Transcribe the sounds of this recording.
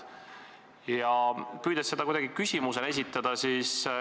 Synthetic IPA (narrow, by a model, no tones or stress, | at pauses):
jɑkyːd̪̥ɑsːe̞d̪̥ɑkujd̪ɑɡ̥ikysʲimusene̞s̬ʲit̪ːˑɑd̪̥ɑsis